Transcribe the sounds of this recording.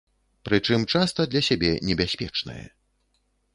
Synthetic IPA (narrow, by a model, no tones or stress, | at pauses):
pɾɨt͡ʂɨmt͡ʂast̪ɐd̪lʲɐsʲabʲɛnʲɛbʲasʲpʲɛt͡ʂnɐ̰jɛ̰